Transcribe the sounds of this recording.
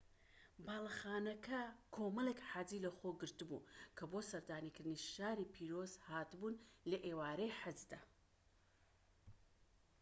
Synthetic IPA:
baːlˠɐxaːnɐkʰɐkʰomɐlˠekħad͡ziːlɐxoɡɨɾt̪ɨbṵkʰɐbosɐɾd̪aːnikɨɾd̪ɨniʃaːɾipʰiːɾoːzhaːt̪ɨbuːnlɐʔeːwaːɾejħɪzd̪a

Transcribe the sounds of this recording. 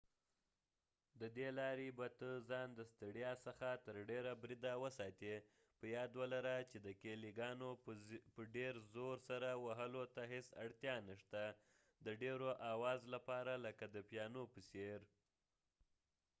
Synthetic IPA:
d̪əd̪elɑɾibat̪əzɑnd̪əst̪əɽjɑsəxat̪əɾɖeɾabɾid̪awəsɑt̪e | pəjɑd̪wəlaɾat͡ʃed̪əkeliɡɑnopəɖeɾzoɾsaɾawaɦəlot̪aɦesa̰ɽt̪jɑnaʂt̪a | d̪əɖeɾoʔawɑzlapɑɾaləkad̪əpjɑnopəseɾ

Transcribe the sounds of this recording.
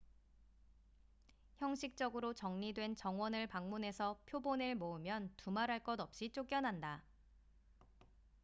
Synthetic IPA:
çjʌŋɕʰik̚t͡ɕ͈ʌɡɯɾot͡ɕʌŋɲidwe̞nt͡ɕʌŋwʌnɯɭpaŋmunɦe̞sʰʌpʰjoboneɭmoɯmjʌntumaɾɦaɭk͈ʌdʌp̚ɕ͈it͡ɕ͈ok͈jʌnɦanda

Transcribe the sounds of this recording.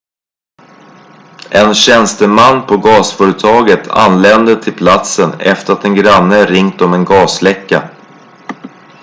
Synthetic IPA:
ʔɛnɕɛnst̪əmanːpʰɔɡɑːsfœːɾət̪ʰɑːɡət̪ʰa̰nlɛnd̪ət̪ʰɪlpʰlat̪sənɛft̪əɾat̪ɛnɡɾanːəɾɪŋt̪ɔmɛnɡɑːslɛkːa

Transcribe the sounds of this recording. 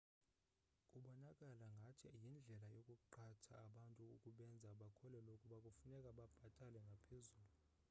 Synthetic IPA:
kʼuɓɔnakʼalaŋɡʱatʰijind͡ɮʱɛlajokʼuǃatʰa̰ːɓantʼuukʼuɓɛnd͡zʱaɓakʰɔlɛlokʼuɓakʼufunɛkʼaɓab̥ʱatʼalɛŋɡʱapʰezuːlu

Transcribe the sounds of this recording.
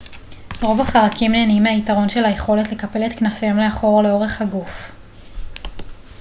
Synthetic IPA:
ʁo̞vaχaʁakimneːnimeaitaʁo̞nʃe̞lhajeχo̞letle̞kape̞let̪knafemle̞aχo̞ʁle̞o̞ʁe̞χhaɡuf

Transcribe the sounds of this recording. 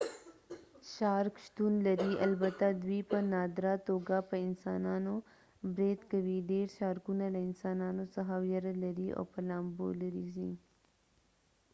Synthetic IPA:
ʃɑɾkʃt̪unlaɾialbat̪ad̪wipənɑd̪ɾat̪oɡapəɪnsɑnɑno | bɾed̪kawiɖeɾʃɑːɾkunalaɪnsɑːnɑnosaɦaːwjaɾalaɾio̰pəlɑmbo̰laɾizi

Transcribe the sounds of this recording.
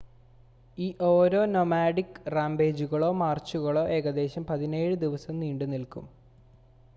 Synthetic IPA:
iːʔo̞ːɾo̞ːnomaːɽikːraːmbe̞ːd͡ʑuɣɐɭo̞ːmaːrt͡ɕːuɣɐɭo̞ːʔe̞ːɣɐd̪e̞ːɕɐmpɐðine̞ːɻɨd̪iʋɐsɐmniːɳɖɨnilkṵm

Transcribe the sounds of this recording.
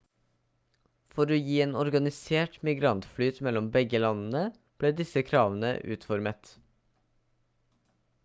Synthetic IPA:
fɔɾoːjiːeːnɔɾɡɑnɪseːʈmɪɡɾɑnt̪flyːt̪mɛlɔmbɛɡəlɑnn̩ə | b̥leːd̪ɪsəkʰɾɑːʋənə̰ʔʉ̰ːt̪fɔɾmət̪

